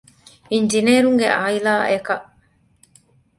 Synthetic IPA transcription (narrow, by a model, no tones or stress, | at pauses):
iɲd͡ʒineːɾuŋɡeʔaːilaːʔekɐʔ